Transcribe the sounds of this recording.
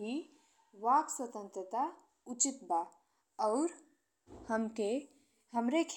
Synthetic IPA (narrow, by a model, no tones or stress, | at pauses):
ɦi | ʋakswət̪ə̃nt̪ɾət̪a | ut͡ʃit̪ba | ɔʊɾ | həmke | ɦəmɾekʰ